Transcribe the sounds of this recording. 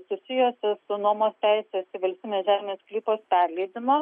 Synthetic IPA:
sʊsʲɪjoːsʲɪsʊnuɔmoːst̪ʲæɪsʲesɪʋɐlʲst̪ʲiːmʲeːsʒʲæːmʲɪnʲeːsklʲiːpoːspʲæɾʲlʲɛɪd̪ʲɪmo

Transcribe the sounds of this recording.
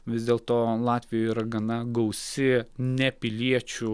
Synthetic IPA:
ʋʲɪzd̪ʲeːlˠt̪oːlˠɑːt̪ʲʋʲɪjoːiːɾɐɡɐnɐɡɐʊsʲɪnʲɛpʲɪlʲiɛt͡ʃʲu

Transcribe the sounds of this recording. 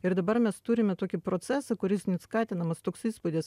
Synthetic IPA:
ɪɾd̪ɐbɐɾmʲɛst̪uɾʲɪmʲɛt̪oːkʲɪpɾoːt̪sʲæːsɐkʊɾʲɪsnʲɛskɑːt̪ʲɪnɐmɐst̪oːksiːspʊd̪ʲɪs

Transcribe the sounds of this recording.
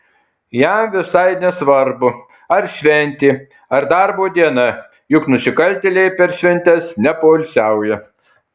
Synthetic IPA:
jæmʋʲɪsɐɪnʲɛsʋɐɾbʊ | ɐɾʃʲʋʲɛnʲt̪ʲiː | ɐɾd̪ɑɾboːd̪ʲiɛnɐ | jʊknʊsʲɪkɐlʲt̪ʲelʲɛɪpʲɛɾʃʲʋʲɛnʲt̪ʲɛsnʲɛpoːlʲsʲæˑʊjɛ

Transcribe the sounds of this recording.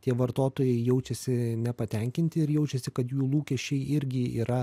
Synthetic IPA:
t̪ʲiɛʋɐɾt̪oːt̪oːjɛɪjɛʊt͡ʃʲɛsʲɪnʲɛpɐt̪ʲɛŋʲkʲɪnʲt̪ʲɪɪɾjɛʊt͡ʃʲɛsʲɪkɐt̪juːlˠuːkʲɛʃʲt͡ʃʲɛɪɪɾʲɡʲɪḭːɾɐ

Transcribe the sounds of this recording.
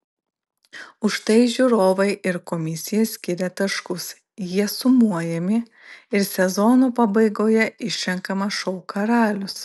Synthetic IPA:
ʊʃt̪ɐɪʒʲuːɾoːʋɐɪʔɪɾkɔmʲɪsʲɪjɛsʲkʲɪɾʲɛt̪ɐʃkʊs | jiɛsʊmuɔjɛmʲɪ | ɪɾsʲɛzɔnuːpɐbɐɪɡoːjɛʔɪʃʲʃʲɛŋkɐmɐʃɔʊkɐɾɑːlʲʊs

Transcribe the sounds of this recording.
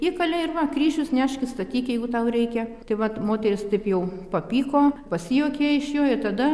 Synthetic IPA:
ikɐlʲɛɪrʋɐkrʲiːʒʲʊsnʲæːʃʲkʲɪst̪ɐt̪ʲiːkʲjɛɪɡʊt̪ɐʊrʲɛɪkʲɛt̪ɐɪʋɐtmoːt̪ʲɛɾʲɪst̪ɐɪpjɛʊpɐpʲiːkoːpɐsʲɪjoːkʲeːɪʃjoːɪt̪ɐd̪ɐ

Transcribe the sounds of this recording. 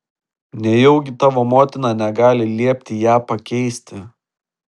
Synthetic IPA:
nʲɛjɛʊɡʲɪt̪ɑːʋoːmoːt̪ʲɪnɑːnʲɛɡɑːlʲɪlʲiɛpʲt̪ʲɪjæːpɐkʲɛɪsʲt̪ʲɪ

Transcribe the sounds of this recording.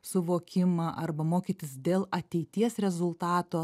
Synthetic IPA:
sʊʋoːkʲɪmɑːʔɐrbɐmoːkʲiːt̪ʲɪsd̪ʲeːlˠɐt̪ʲɛɪt̪ʲiɛsɾʲɛzʊlˠt̪ɑːt̪oː

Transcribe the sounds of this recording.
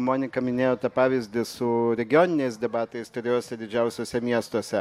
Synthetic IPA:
moːnʲɪkɐmʲɪnʲeːjoːt̪ɐpɑːʋʲɪzʲd̪ʲɪsʊɾʲɛɡʲɪjoːnʲɪnʲɛɪsd̪ʲɛbɑːt̪ɐɪst̪ʊɾʲoːsʲɛd̪ʲɪd͡ʒʲɛʊsʲoːsʲɛmʲiɛst̪oɔsʲɛ

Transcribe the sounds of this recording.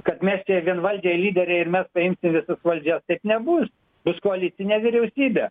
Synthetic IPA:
kɐt̪mʲæːsʲt͡ʃʲeʋʲiɛnʋɐlʲd͡ʒʲɛɪlʲiːd̪ʲɛɾʲɛɪrmʲɛspɐɪmʲsʲɪmʋʲɪsɐsʋɐlʲd͡ʒʲɛst̪ɐɪpnʲɛbʊs | bʊskoɐlʲɪt̪ʲɪnʲeːʋʲɪɾʲɛʊsʲiːbʲe

